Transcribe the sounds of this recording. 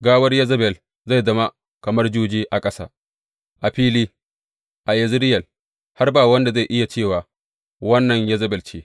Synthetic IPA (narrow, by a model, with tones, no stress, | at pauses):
ɡaː˦wɐ˦rjɐ˦zɐ˦bɛ˨l | za˦˨jzɐ˦ma˦ | kɐ˨mɐ˦rd͡ʒuː˦d͡ʒiː˦ʔa˨kʼɐ˦sa̰ː˦ | ʔa˨ɸiː˦liː˦ | ʔa˨jɐ˨zɪ˦ɾɪ˦jɐ˨l | ha˦rbaː˨wɐ˦nda˨za˦˨ʔɪ˦ja˨t͡ʃeː˦˨waː˨ | wɐ˦nːɐ˨ɲjɐ˦zɐ˦bɛ˨lt͡ʃeː˦